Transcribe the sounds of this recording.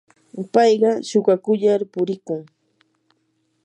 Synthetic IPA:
pɑjɢɑʃʊɢɑkʊʎaɾpʊɾɪkʊŋ

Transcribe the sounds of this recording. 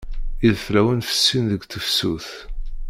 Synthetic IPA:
iðflæwənfə̥sːinðəɡʷθəfsuθ

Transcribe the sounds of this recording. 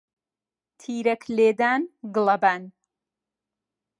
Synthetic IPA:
t̪ʰiːɾɐkʰleːd̪aːnɡɨlˠɐbaːn

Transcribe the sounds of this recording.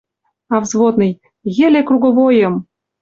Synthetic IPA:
ɑvzβod̪nɤ̆j | jĕlekruɣoβojɤ̆m

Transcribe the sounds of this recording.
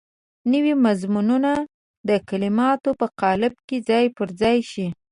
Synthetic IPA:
nəwimazmununa | d̪əkalɪmɑt̪opəqɑlɪb̚ked͡zɑjpəɾd͡zɑjʃi

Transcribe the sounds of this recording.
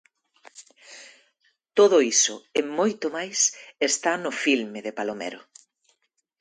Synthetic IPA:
t̪oðʊisʊemojt̪omajsest̪anʊfilmeðepalomḛɾʊ̰

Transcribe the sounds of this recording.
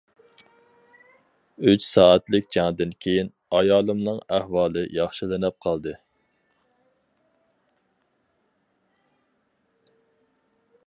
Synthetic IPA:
yt͡ʃsɑːɛt̪lɪkʲd͡ʒɑŋd̪ɪnkʲʰejin | ɑjɑːlˠɨmnɨŋæhwɑːlˠɨjɑχʃilɪnɛp̚qʰɑlˠd̪ɨ

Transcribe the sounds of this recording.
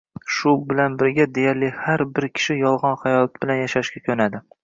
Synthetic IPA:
ʃʊbɪlanbɪɾɡʲad̪e̞jaɾlɪhaɾbɪɾkʲʰɪ̥ʃɪjɒlˠʁɑnχajɒlˠt̪̚b̥ɪlanjaʃaʃɡʲakʲʰɵnad̪ɪ

